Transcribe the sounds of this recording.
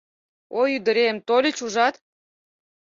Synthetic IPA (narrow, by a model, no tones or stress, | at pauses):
ojyd̪ə̆ɾemt̪olʲə̆t͡ɕuʒɑt̪